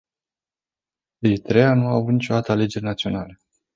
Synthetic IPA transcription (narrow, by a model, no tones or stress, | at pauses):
eɾit̪ɾe̞anuavut̪nit͡ʃo̞d̪at̪əale̞d͡ʒe̞ɾʲrʲnat̪sio̞nale